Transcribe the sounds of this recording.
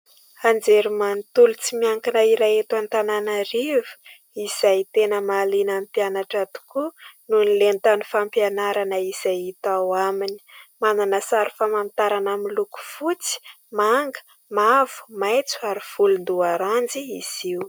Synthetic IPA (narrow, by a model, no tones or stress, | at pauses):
and͡zeɾimant̪ulut͡simiaŋkanaiɾajet̪want̪ananaɾivu̥ | iz̥ajt̪enəmalinampianaʈ͡ʂat̪u̥kununilent̪anifampjanaɾanəiz̥ajit̪awamini̥mananəsaɾufamamt̪aɾanamiiluku̥fut͡si̥ | maŋɡə̥ | mavu̥majt͡su̥aɾiv̥ulund̪uaɾand͡ziiz̥iu